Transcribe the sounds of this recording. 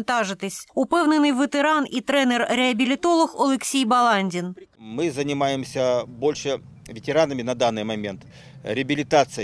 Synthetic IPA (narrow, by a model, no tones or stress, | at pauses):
nt̪aʐɨt̪ɪsʲʊpɛwnɨnɨjʋət̪eɾanit̪ɾɛnɛrɾɛɐbʲilʲɪt̪olˠɔxɔlˠɛksʲijbɐlˠanʲdʲinmɨzənʲɪmajɪmsʲəbo̞lʲʂɨ | vʲɪtʲɪɾanəmʲɪnɐd̪anːɨjmɐmʲent̪ | ɾʲɪəbʲɪlʲɪt̪at̪sɨ